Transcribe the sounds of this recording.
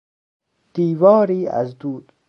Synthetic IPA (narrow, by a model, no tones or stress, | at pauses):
d̪̥iːvɑːɾiːa̰zd̪uːd̪